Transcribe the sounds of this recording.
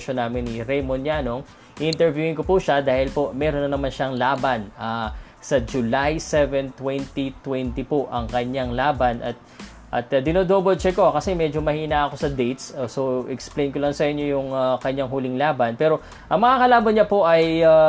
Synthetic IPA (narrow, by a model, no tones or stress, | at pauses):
ʃonːaːmɪnːiɾɛjmonjanoŋ | ʔʔɪnt̪ɛɹvjuːhɪnkopuʃad̪aːhɪlpo̞mɛːɾonɐnɐmanʃɐŋlaːbɐna | sɐd͡ʒʊlajsɛvɛnt̪wɛnt̪it̪wɛnt̪ipoʔɐŋkɐɲaŋlaːbɐnʔɐt̪̚ | ʔɐ̰t̪ɐd̪ɪnod̪oːbod̪̚t͡ʃɛkokɐsɛmɛd͡ʒomɐhiːnaʔɐko̞sɐd̪ɛjt̪sosoʔɛksplejnkolɐŋsɐʔɪɲjo̞jʊŋakɐɲaŋɦuːlɪŋlaːbɐnpɛːɾo̞ | ʔɐŋmɐŋakɐlaːbɐnɲɐpo̞ʔɐja